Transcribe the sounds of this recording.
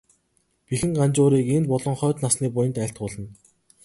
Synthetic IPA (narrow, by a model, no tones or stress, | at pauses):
pixɘ̆ŋɢant͡ɕʊːɾiːkenpʊɮɞ̆ŋχœːt̪nasniːp̬ʊjə̆nt̪æːɬʲt̪̚ɢʊːɮə̆n